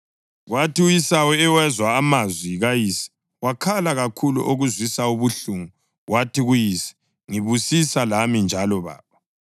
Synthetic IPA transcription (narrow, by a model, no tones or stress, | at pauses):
ɣwatiɣujisawɛɛwɛzwaːmazwiɣajisi̥ | wakʰalaɣakʰulṵʔoɣuzwisauβuɬuŋu | ɣwʔatʰiɣujisɛ̥ | ŋiβusisalamind͡ʒʱalɔβa̰ːβa